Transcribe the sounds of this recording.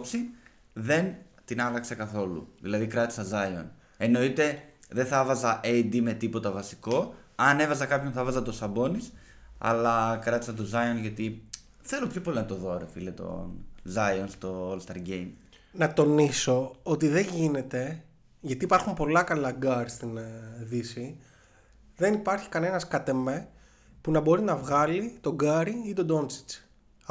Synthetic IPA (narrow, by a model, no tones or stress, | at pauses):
psi | ðe̞n | t̪inɐlɐksekɐθo̞lṵðilɐðikɾɐt̪i̥sɐzɐjo̰n | e̞no̞it̪e̞ðenθɐvɐzɐʔed̪ime̞t̪ipo̞t̪ɐvɐsi̥ko̞ɐne̞vɐzɐkɐpço̞nθɐvɐzɐt̪o̞sɐbo̞nis | ɐ̰lɐkɾɐt̪i̥sɐt̪̬ozɐjonʝɐt̪i | θe̞lo̞pçopo̞linɐt̪o̞ðo̞ɾefilet̪o̞̰nzɐjonst̪o̞olst̪ɐ̰ɾɟejm | nɐt̪o̞niso̞ot̪̬iðe̞ɲʝine̞t̪e̞ | ʝɐt̪iːpɐɾxumpo̞lɐkɐlɐɡɐɾst̪inðisi | ðe̞nipɐɾçi̥kɐne̞nɐskɐt̪e̞me | punɐbo̞ɾinɐvɣɐlit̪o̞ɡɐɾiit̪o̞d̪o̞nsi̥t͡s